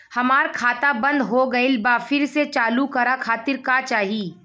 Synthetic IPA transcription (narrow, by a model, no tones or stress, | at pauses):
hɐmaːɾkʰaːt̪abɐ̃nd̪ɦoɡɐelbaːfɪɾset͡ʃaːlukɐɾakʰaːt̪ɪɾkaːt͡ʃaːɦii